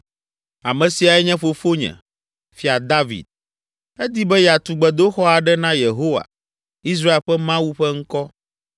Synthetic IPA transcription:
a˨mɛ̃˨si˨a˨ɛ˦ɲɛ̃˦fo˨fo˦ɲɛ̰̃˨ | fi˦a˨d̪a˦vḭ˨d̪̥̚ | ɛ˦d̪i˦bɛ˦jɛ˨a˨t̪u˨ɡ͡bɛ˨d̪o˦xɔ˦a˨ɖɛ˦nã˦je˨ɦo˦wa̰˨ | i˦s̬ɾa˦e˨lɸɛ˦mã˦wu˦ɸɛ˦ŋ̩˦kɔ˦

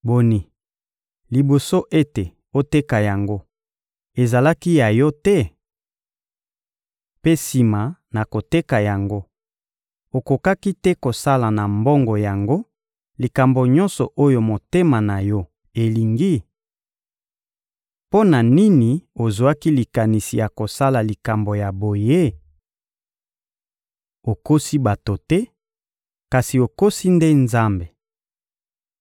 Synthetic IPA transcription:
bo˨ni˨ | li˨bo˨so˦ʔe˦te˨ | o˦te˦ka˨ja˨ŋɡo˦ | e˨za˨la˦ki˦ja˨jɔ˦tɛ˦ | pe˦si˨ma˨na˨ko˨te˦ka˨ja˨ŋɡo˦ | o˨ko˨ka˦ki˦tɛ˦ko˨sa˦la˨na˨mbɔ˦ŋɡo˨ja˨ŋɡo˦ | li˨ka˨mbo˨ɲɔ̃˦nsɔ˨ʔo˦jo˨mo˨te˦ma˨na˨jɔ˦ | e˨li˨ŋɡi˦ | po˦na˨ni˦ni˨o˨zo˨a˦ki˦li˨ka˨ni˨si˨ja˨ko˨sa˦la˨li˨ka˨mbo˨ja˨bo˨je˦ | o˨ko˦si˦ba˨to˨tɛ˦ | ka˨si˨o˨ko˦si˦nde˦nza˦mbe˨

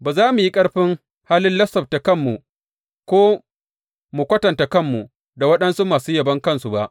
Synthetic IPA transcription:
baː˨zaː˦mu˨ji˦kʼɐ˦ɽɸɪ˦ŋ | haː˦lɪ˦nlɐ˦sɔ˨b̚ta˨kɐ˦˨mːu˨ | kʷoː˦ | mu˨kʷɐ˦tɐ˨nta˨kɐ˦˨mːu˨ | da˨wɐ˦ɗɐ˦nsu˦maː˨suː˦jɐ˨bɐ˦ŋkɐ˦nsu˨ba˦ʔ

